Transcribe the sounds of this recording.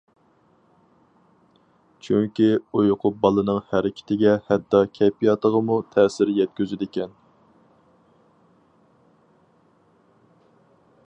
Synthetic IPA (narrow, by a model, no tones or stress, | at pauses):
t͡ʃʰyŋkʲiujoqʰʊp̚bɑlˠɨnɨŋhæɾɪkʲʰɪ̥t̪ʰɪɡʲɛhɛt̪ːɑkʲʰɛpijɑt̪əʁəmut̪ʰɛːsɪɾjɛt̪̚kʲøzyd̪ɪkʲɛn